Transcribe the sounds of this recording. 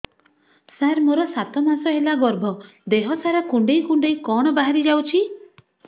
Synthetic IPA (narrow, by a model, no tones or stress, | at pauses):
saɾmoɾɔsat̪ɔmasɔɦelaɡɔɾbʱɔ | d̪eɦɔsaɾakuɳɖejkuɳɖejkɔɽ̃ɔbaɦaɾid͡ʒawt͡ʃʰi